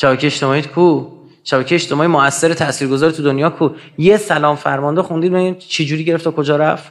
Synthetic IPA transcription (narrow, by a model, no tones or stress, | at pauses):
ʃæbæcʰeeeʃt̪emɒːiːd̪kʰuː | ʃæbæcʰejeːʃt̪ʰemɒːjimoæsːeɾet̪ʰæsiːɾɡozɒːɾit̪ʰud̪onjɒːkʰu | jesælɒːmfæɾmɒnd̪exund̪iːd̪beɡænt͡ʃʰed͡ʒuːɾiːɟe̞ɾeft̪ʰɒːkʰod͡ʒɒːɾæft̪